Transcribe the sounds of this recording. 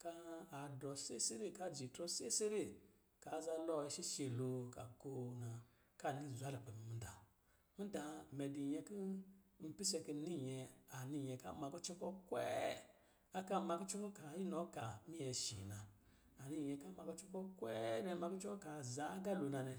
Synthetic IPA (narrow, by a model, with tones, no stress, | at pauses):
kaː˦˨dɔ˨se˦se˦ɾe˦˨ka˦˨d͡ʒi˨tɾɔ˦se˦se˦ɾe˦˨ | ka˨˦˨za˧lɔ˦i˧˨ʃi˦ʃe˨lo˨ka˨ko˦na˨ | ka˦˨ni˦˨zu˨a˦la˨pɛ˨mi˨mi˨˦da˨ | mi˦da˨mɛ˨di˨ɲɛ˧ki˦m̩˨pi˦sɛ˧ki˧˦ni˦˨ɲɛ˧a˨ni˦˨ɲɛ˨ka̰˦ma˨˧ku˦t͡ʃɔ˦kɔ˦kwɛ̰˦ | a˦ka˦ma˧ku˦t͡ʃu˦kɔ˦ka˨ji˦nɔ˨˦ka˨mi˦jɛ˨ʃḭ˨na˨ | a˨ni˧˨jɛ˧˨ka˦ma˧ku˦t͡ʃɔ˦kɔ˦kwɛ˦nɛ˨˦ma˧ku˦t͡ʃɔ˦kɔ˦ka˨za˨˦ɡa˦˨lo˨na˨nɛ˨